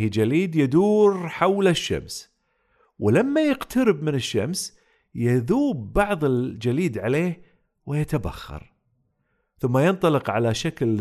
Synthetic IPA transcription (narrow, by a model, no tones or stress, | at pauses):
id͡ʒaliːd̪jɪd̪uːɾħawlaʃːa̰ms | wɪlamːajɪqt̪ʰaɾɪbmɪnɪʃːa̰ms | jɪðuːbːɑʕðˤɪld͡ʒaliːd̪ʕaleːh | wɪjat̪aba̰xːɑ̰ɾˤ | θʊmːajɪnt̪ˤɑlɨqʕa̰laʃakl